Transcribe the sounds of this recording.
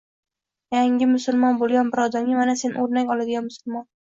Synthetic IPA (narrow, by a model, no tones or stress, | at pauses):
jaŋʲɪmʊsʊlˠmɒnbolˠɡʲanbɪɾɒd̪ɒŋɪmanase̞noɾnaŋʲɒlad̪ɪɡʲanmʊsʊlmɒn